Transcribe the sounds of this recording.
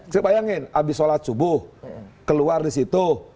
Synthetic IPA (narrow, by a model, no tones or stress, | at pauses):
səbajaŋɪnabisolat͡ʃubʊhkəluardisit̪u